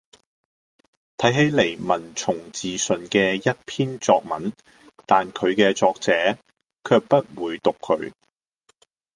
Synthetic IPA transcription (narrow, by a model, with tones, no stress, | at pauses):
t̪ʰɐ˨˥jɦe˨˥jle˨˩jmɐ˨˩nt͡ʃʰʊ˨˩ŋt͡siː˨sɵ˨nkɛː˧jɐ˥t̚pʰiː˥nt͡sɔː˧k̚mɐ̰˨˥n | t̪aː˨nkʰɵ˨˧ɥkɛː˧t͡sɔː˧k̚t͡sɛː˨˧˥ | kʰœː˧k̚pɐ˥t̚wuː˨˧jt̪ʊ˨kʰːɵ̰˨˧ɥ